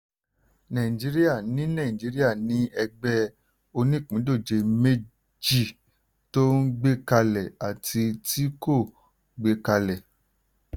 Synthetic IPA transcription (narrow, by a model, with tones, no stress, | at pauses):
nã˨ĩ˨d͡ʒi˨˦ɾi˦ja˦˨nĩ˨˦nã˦˨d͡ʒi˨˦ɾi˦a˦˨nĩ˨˦ɛ˧ɡ͡bɛ˦ | o˧nĩ˦˨k͡pĩ˨˦do˦˨d͡ʒe˧me˦ | d͡ʒi˦˨ | to˦n̩˦ɡ͡be˦ka˧lɛ˨a˨tʰi˧ti˦ko˦˨ | ɡ͡be˦ka˧lɛ˨